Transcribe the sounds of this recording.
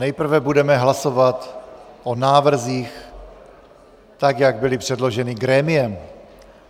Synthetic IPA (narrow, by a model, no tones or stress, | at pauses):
nɛjpr̩vɛbudɛmɛɦlasovat̪ʔonaːvr̩ziːx | t̪akjaɡ̚bɪlɪpr̝̥ɛdlo̞ʒɛnɪɡɾɛːmɪjɛm